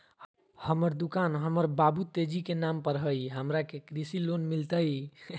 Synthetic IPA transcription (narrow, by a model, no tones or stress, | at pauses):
həməɾd̪ukanɦəməɾbabut̪ed͡ʒikenampəɾɦəjɦəmɾakekɾisilonmilt̪əj